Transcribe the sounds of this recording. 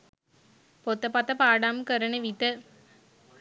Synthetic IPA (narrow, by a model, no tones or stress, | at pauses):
pot̪ːɐpɐt̪ɐpaːɖaːmkəɾɐnəʋit̪ə